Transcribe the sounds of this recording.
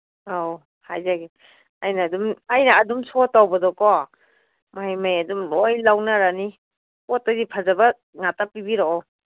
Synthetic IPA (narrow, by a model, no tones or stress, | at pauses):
aw | hajzaɡi | ajnaːdumajnaːdumsɔtawbɐdɔkɔ | majmajadumojlawnaɾani | pɔtazipʰazabɐ | ŋatapːibiɾɔɔ